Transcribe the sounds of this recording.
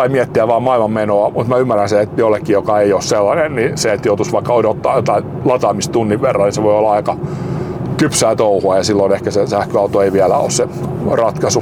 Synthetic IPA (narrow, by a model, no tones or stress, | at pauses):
ɑimiɛt̪ːiæʋʋɑːmɑilmɑmmenoɑmut̪mæymːærænseet̪jolːekːijokɑeiosselːɑnenniset̪jot̪usʋɑikːɑodot̪ːɑ̰ːjot̪ɑin | lɑt̪ɑmist̪t̪unːiʋʋerːɑniseʋoiolːɑɑikɑ | kypsæːt̪ouhuɑjɑsilːonehkæsesæhkøɑut̪oeiʋiælæ̰o̰sse | rɑt̪kɑsu